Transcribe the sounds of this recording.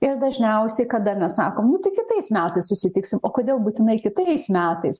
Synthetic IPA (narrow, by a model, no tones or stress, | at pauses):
ɪɾd̪ɐʒʲnʲɛʊsʲɛɪkɐd̪ɐmʲɛssɑ̰ːkoːmnʊt̪ɐɪkʲɪt̪ɐɪsmʲæːt̪ɐɪsʊsʲɪt̪ʲɪksʲɪmoːkoːd̪ʲeːlˠbuːt̪ʲɪnɐɪkʲɪt̪ɐɪsmʲæːt̪ɐɪs